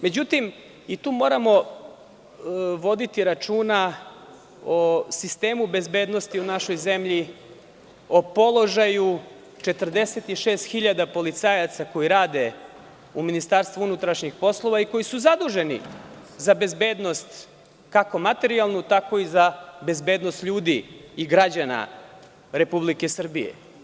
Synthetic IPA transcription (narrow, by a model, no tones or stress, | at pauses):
me̞d͡ʑut̪im | it̪uːmo̞ːɾamo̞ | ʋo̞d̪it̪iɾat͡ʂuːna | osist̪e̞ːmube̞zbe̞ːd̪nost̪iunaʃo̞jze̞mʎi | opo̞lˠo̞ʒaju | t͡ʃe̞t̪r̩d̪e̞se̞t̪iʃe̞ːst̪xiʎad̪apo̞lit̪saːjat̪sako̞iɾaːd̪e̞ | uminist̪aːɾst̪ʋuunut̪ɾaʃɲixpo̞slˠo̞ʋaiko̞jisuzad̪uʒenḭzabe̞zbe̞ːd̪no̞st̪ | kako̞mat̪e̞ɾialˠnut̪ako̞izabe̞zbe̞ːd̪nost̪ʎuːd̪iːɡɾad͡ʑana̰ | ɾe̞publike̞sr̩bijḛ